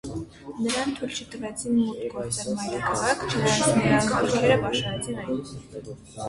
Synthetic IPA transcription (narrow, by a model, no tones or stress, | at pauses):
nəɾɑnt̪ʰujlt͡ʃʰət̪əvɛt͡sʰinmut̪kɔt̪ɛvmɑjɾɑkʰɑʁɑkʰt͡ʃʰənəɾɑnəɾɑkɑluʒɛɾəpɑʃɑɾɛt͡sʰinɑjnu